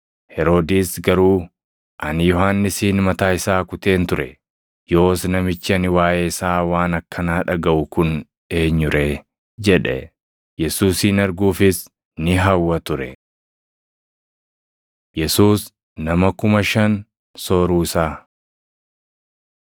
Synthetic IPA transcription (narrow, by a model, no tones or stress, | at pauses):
hɛɾo̞ːd̪iːsɡɐɾuː | ʔɐnjɔɦanːɪsiːnmɐt̪aːɪsaːkʊt̪e̞ːnt̪ʊɾɛ | jo̞ːsnɐmɪt͡ʃːɪɐnɪwaːʔeːɪsaːwaːnɐkːɐnaːᶑɐɡɐʔʊkʊn | e̞ːɲːʊɾe | d͡ʒɛᶑɛ̰ | jɛsuːsiːnɐɾɡuːfɪs | nɪɦɐwːɐt̪ʊɾɛ̰ | jɛsuːs | nɐmɐkʊmɐʃɐn | so̞ːɾuːɪsaː